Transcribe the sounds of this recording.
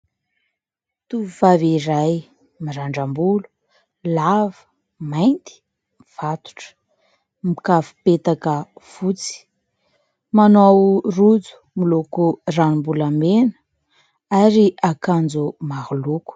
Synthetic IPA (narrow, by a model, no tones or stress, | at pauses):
t̪uvivaviɾaj | miɾaɳɖ͡ʐambulu̥ | lavə̥ | majnt̪i̥ | miv̥at̪u̥ʈ͡ʂə̥ | mikafu̥pet̪akəfut͡si̥ | manowrud͡zu̥milokuranimbulamenə̥ | aɾiʔakand͡zumahuluku̥